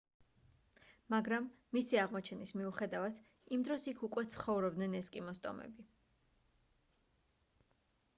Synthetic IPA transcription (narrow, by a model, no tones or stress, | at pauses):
maɡɾamː | isiaʁmɔt͡ʃʰɛnismiuχɛd̪avad̪ʰ | imd̪ɾɔsikʰukʼwɛt̪sʰχɔvɾɔb̚d̪nɛnɛskʼimɔst̪ʼɔ̰mɛ̰bi